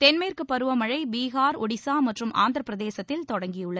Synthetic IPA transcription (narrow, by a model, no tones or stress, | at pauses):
t̪ɛnmeːrkɯpːɐɾɯʋɐmɐɻɐɪbiːɣaːɾɔɽɪsaːmɐʈrɯmʔa̰ːnd̪ɾɐpːɪɾɐðeːsɐt̪ːɪlt̪ɔɽɐŋɡɪjɯɭːɐ